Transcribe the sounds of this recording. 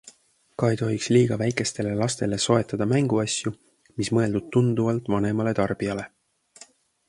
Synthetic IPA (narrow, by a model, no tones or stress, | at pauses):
kɑejt̪o̞ɦiksliːɡ̥ɑvæjkˑe̞st̪e̞le̞lɑst̪e̞le̞so̞e̞t̪ːˑɑd̪̥ɑmæŋɡ̥uɑsʲju | mismɤe̞ld̪ud̪̥̚t̪und̪̥uvɑlt̪ːˑvɑne̞mɑle̞t̪ɑrb̥iɑle̞